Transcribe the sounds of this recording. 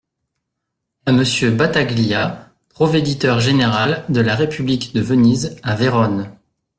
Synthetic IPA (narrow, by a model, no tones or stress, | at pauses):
aməsjøbat̪aɡlia | pχɔved̪it̪œʁʒeneʁald̪əlaʁepyblikd̪əvənizaveʁɔn